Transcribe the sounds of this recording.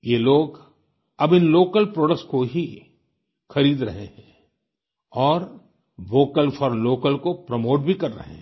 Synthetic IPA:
jeːloːɡ | ɐbɪnloːkəlpɾoːɖəkskoɦi | xɐɾiːd̪ɾɐɦḛɦɛ̃ː | ɔːɾ | ʋoːkəlfɔːɾloːkəlkopɾəmoːʈ̚bʱikɐɾːɐ̰ɦḛ̃ɦ

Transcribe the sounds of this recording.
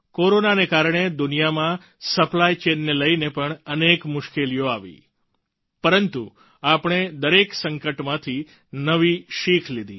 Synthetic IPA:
koɾonanekaɾɳed̪ʊnijamã | səplajt͡ʃenːeləinepəɳənekmʊʃkelijoaʋḭ | pəɾənt̪u | apɳ̃ed̪əɾeksəŋkəʈmãt̪ʰi | nəʋiʃikʰlid̪ḭ

